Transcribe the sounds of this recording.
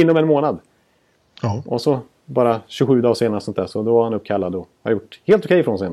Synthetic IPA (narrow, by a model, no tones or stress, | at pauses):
ɪnːɔmɛnmoːnad̪ | ʔɔsɔ | bɑːɾaɕɵɡɧʉ̟ːd̪ɑːɡʂeːnaɾəsɔnt̪æːʂɔd̪ɔvaɾhanɵp̚ːkʰalːad̪ɔha̰ɾjʊʈːheːlt̪ʊkʰɛjɪfɾɔnseːn